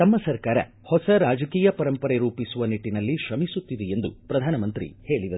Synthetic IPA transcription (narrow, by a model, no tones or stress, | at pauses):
t̪ɐmːɐsɐɾkaːɾɐ̰ | hɔsɐɾaːd͡ʒɐkiːjɐpɐɾɐmpɐɾeɾuːpisuʋɐniʈːinɐlːiʃɾɐmisut̪ːid̪ɛend̪upɾɐd̪ʱaːnɐmɐnt̪ɾḭhe̞ːɭid̪ɐ